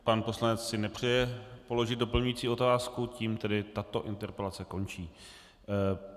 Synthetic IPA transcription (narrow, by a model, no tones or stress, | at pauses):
panpo̞slanɛt͡ssɪnɛpr̝̥ɛjɛpo̞lo̞ʒɪt̪̚do̞pl̩ɲujiːt͡siːo̞t̪aːskuciːmt̪ɛdɪt̪at̪o̞ʔɪnt̪ɛɾpɛlat͡sɛko̞nt͡ʃiː